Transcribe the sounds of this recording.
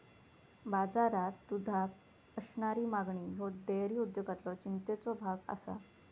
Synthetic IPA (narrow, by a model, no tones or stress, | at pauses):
bad͡zaɾat̪ːud̪ʱak | əɕɳaɾiːmaɡɳiɦod̪ejɾiːud̪joɡat̪lɔt͡ɕint̪et͡sɔbʱaɡa̰sa̰